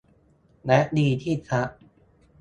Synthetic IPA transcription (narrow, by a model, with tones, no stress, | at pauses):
nɛ˦˥ʔdiː˧t̪ʰiː˥˩tʰa˦˥ʔ